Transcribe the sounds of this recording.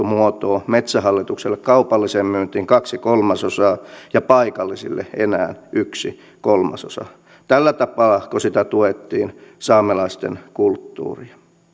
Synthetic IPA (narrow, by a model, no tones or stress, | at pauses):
umuot̪oːmet̪sæhɑlːit̪ukselːekkɑupɑlːisemmyːnt̪iːŋkɑksikolmɑsosɑːjɑpɑikɑlːisḭlːḛḛnæ̰ːnʔyksi | kolmɑ̰so̰sɑ̰ | t̪ælːæt̪ɑpɑːkosit̪æt̪uet̪ːiːnsɑːmelɑist̪ḛnkult̪ːṵːriɑ̥